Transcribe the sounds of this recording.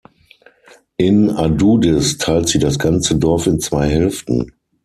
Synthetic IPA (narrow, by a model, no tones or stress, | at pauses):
ʔɪnaduːdɛstʰaɪltz̥iːdasɡ̥ant͡sədɔɐfɪnt͡sv̥aɪɦɛlftn̩